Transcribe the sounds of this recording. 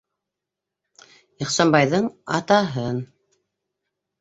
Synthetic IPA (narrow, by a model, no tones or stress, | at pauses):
iχsɑnbɑjðɤɴɑt̪ɑɦɤn